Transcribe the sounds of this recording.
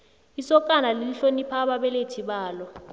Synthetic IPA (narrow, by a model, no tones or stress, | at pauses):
isɔkʼanaliliɬonipʰaɓaɓɛletʰiɓaːlɔ